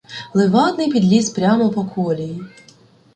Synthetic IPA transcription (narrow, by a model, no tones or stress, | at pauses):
lˠɪʋɑt̪nɪjpʲid̪lʲispɾʲamɔpɔkʰɔlʲiji